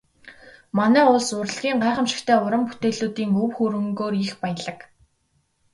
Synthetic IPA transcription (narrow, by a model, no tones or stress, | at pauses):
manæːʊɮsʊr̆ɮɣʲiːɴɢæːχə̆mʃɪ̥̆kt̪ʰeːʊɾə̆mput̪eːɮuːt̪iːŋɵwxuɾɘ̆ŋɡoːrixpæjə̆ɮə̆k